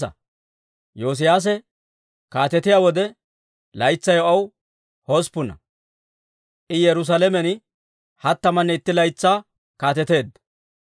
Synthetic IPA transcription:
ɐ̰ | joːs̬ɪjaːs̬ɛ | kaːt̪ɛt̪ɪjaːwɔd̪ɛ | lɐjt͡sːɐjɔʔɐw | hospʊnɐ̰ | ʔɪjɛɾʊs̬alɛmɛn | hɐt̪ːɐmɐnːɛɪt̪ːɪlɐjt͡sːaː | kaːt̪ɛt̪e̞ːd̪ːɐ

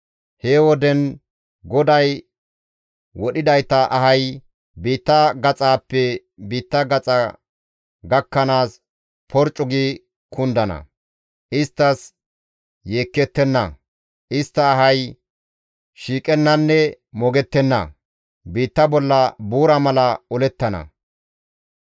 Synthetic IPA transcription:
heːwɔd̪ɛn | ɡɔd̪ɐj | wɔɗɪd̪ɐjt̪ɐʔɐɦɐj | biːt̪ːɐɡɐt͡sʼaːpːɛ | biːt̪ːɐɡɐt͡sʼɐ | ɡɐkːɐnaːs | pʰɔɾt͡ʃʼːʊɡi | kʰʊnd̪ɐnɐ̰ | ʔɪst̪ːɐs | je̞ːkːɛt̪ːɛnːɐ̰ | ʔɪst̪ːɐːɦɐj | ʃiːkʼɛnːɐnːɛ | mɔɡɛt̪ːɛnːɐ̰ | biːt̪ːɐbɔlːɐbuːɾɐmɐlɐɔlɛt̪ːɐnɐ̰

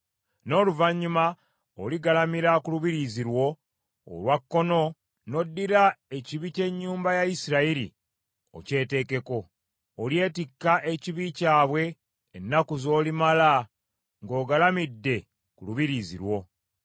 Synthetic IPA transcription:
no̞ːluvaɲːuma | oliɡalamiɾakuluβiɾiziɾwo̞̰ː | lwakːo̞no̞ | no̞dːiɾae̞ciβice̞ɲːuːmbajaisiɾaiɾḭ | o̞̰ce̞ːte̞ːke̞ko̞ː | lje̞ːtikːaʔeciβicaːβwe̞ː | nːakuzo̞ːlimala | ŋɡo̞ːɡalamidːe̞ | kuluβiɾizḭɾwo̞

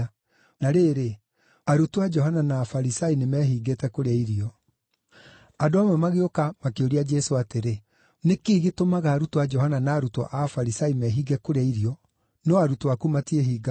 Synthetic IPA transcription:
naɾeːɾe | aɾutwad͡ʒɔɦananaːfaɾisainemɛɦiːɡetɛkoɾeaiɾiɔ | adoamwɛmaɣeokamakeoɾiad͡ʒɛsoateɾe | nekeːɣetomaɣaːɾutuad͡ʒɔɦananaːɾutɔ̰ʔafaɾisaimɛɦiɡɛkoɾeaiɾiɔ | nɔaɾutwakumatieɦiːɡa

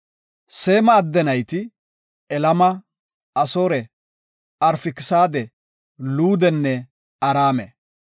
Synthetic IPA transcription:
se̞ːmɐːd̪ːɛnɐjt̪ɪ | ɛlɐmɐ | ɐsoːɾɛ | ɐɾfɪkɪsaːd̪ɛ | luːd̪ɛnːɛ | ɐɾaːmɛ

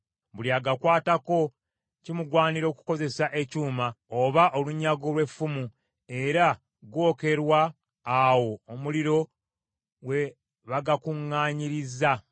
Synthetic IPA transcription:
βuljaɡakwaːtako̞ | cimuɡwaːniɾo̞ːku̥ko̞ze̞saʔe̞cuːmaoβaʔo̞luɲːaɡo̞lwe̞fːumu | e̞ɾa | ɡwo̞ːke̞ɾwaː | wo̞ːmuliɾo̞ | we̞ | βaɡakuŋːaːɲiɾiza

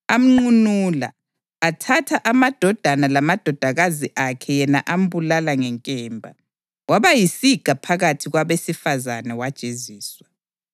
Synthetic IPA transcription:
am̩ŋ͡ǀunuːla̰ː | tʰatʰaʔamad̥ʱɔd̥ʱanalamad̥ʱɔd̥ʱaɣaziʔakʰɛjɛnaʔam̩bulalaŋɛŋkʼɛːmbʱa̰ | waβajisiɡ̥ʱapʰaɣatʰiɣwaβesifazanɛwad̥t͡ʃʼeziːswa

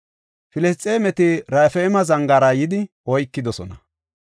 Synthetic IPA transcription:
fɪlɛst͡sʼːeːmɛt̪ɪɾaːfɛmɐzɐŋɡaːɾɐjɪd̪ɪ | ɔjkːɪd̪ɔsɔnɐ

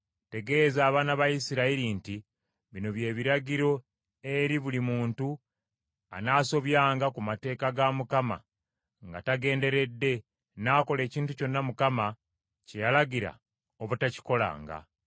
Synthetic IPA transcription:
te̞ɡe̞ːzaːβaːnaβajisiɾaiɾinti | βino̞βje̞ːβiɾaɟiɾo̞ | eɾiβulimuːntu | a̰naːso̞βjaːŋɡakumate̞ːkaɡamukama̰ | ŋɡa̰taɡe̞ːnde̞ɾe̞dːe̞ | naːko̞le̞ːciːntuco̞nːamukama | cejalaɟiɾa̰ | oβutaci̥ko̞la̰ːŋɡa̰

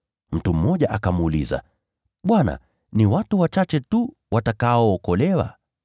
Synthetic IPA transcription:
m̩tum̩ːɔʄaʔakamːlḭza̰ | ɓwana̰ | niwatuwat͡ʃat͡ʃɛtu | wʔatakaɔːkɔlɛwa̰

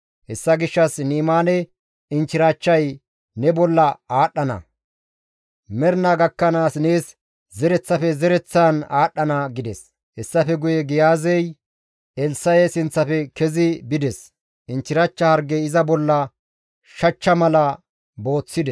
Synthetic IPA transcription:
hɛsːɐɡɪʃːɐsniːmaːnɛ | ɪnt͡ʃɪɾat͡ʃːɐj | nɛbɔlːɐaːɗːɐnɐ̰ | mɛɾnaɡɐkːɐnaːsneːs | zɛɾɛt͡sːɐfɛzɛɾɛt͡sːanaːɗːɐnɐɡɪd̪ɛs | hɛsːɐfɛɡʊjɛɡɪjaːzɛj | ɛlsɐjɛsɪnt͡sːɐpɛkɛzɪbɪd̪ɛs | ʔɪnt͡ʃːɪɾat͡ʃːɐhɐɾɡɛɪzɐbɔlːɐ | ʃɐt͡ʃːɐmɐlɐ | bo̞ːt͡sːɪd̪ɛ

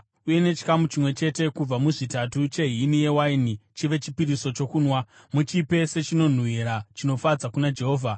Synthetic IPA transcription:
uje̞ne̞t͡ʃi̥kamut͡ʃimwe̞t͡ʃe̞te̞kub͡vamuʐitatut͡ʃe̞ɦinije̞wainit͡ʃiʋe̞t͡ʃipiɾiso̞t͡ʃo̞kuːnwa | mut͡ʃipe̞se̞t͡ʃino̞n̤uiɾat͡ʃino̞fad͡zakunad͡ʒe̞ɦo̞ːvʱa

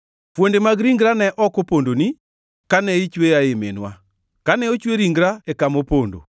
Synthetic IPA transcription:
pwondemaɡɾiŋɡɾanɛʔɔkopondoni | kanɛit͡ʃwejaemḛnwa | kanɛot͡ʃweɾiŋɡɾaɛkamopondo̰

